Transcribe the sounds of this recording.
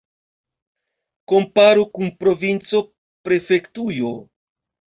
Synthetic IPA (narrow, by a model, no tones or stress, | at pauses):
ko̞mpaɾukunpɾo̞vint͡so̞ | pɾe̞fe̞ktujo